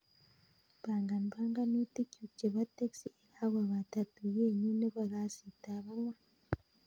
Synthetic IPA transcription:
βaːŋɡa˨n˨baː˦ŋɡa˦ni˦te˦cu˨ce˨βa˦te˦ksi˦e˨ɾa˦wa˨βata˨tu˨jeː˦˨ɲi˦ne˦βa˨ɡa˨si˨ta˨βa˦mwa˦

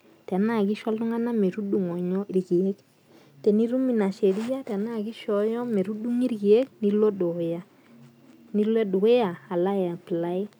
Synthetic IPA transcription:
tɛ˨na˦˨ɡi˦ʃa˦ltʊ˦ŋa˦na˦me˨ɾu˦du˨ŋɔ˨ɲɔ˦i˨ɾɡi˨e˦k | te˨ni˦ɾu˦mi˨na˨ʃe˨ɾi˦ja˦tɛ˨na˦˨ɡi˦ʃɔ˨jɔ˦me˨ɾu˦du˦ŋi˦ɾɡi˨e˦k̚ni˦lo˦do˨ja˦ | ni˦le˦du˨ɡe˦ja˨a˨la˦ja˨pla˦ɪ˦

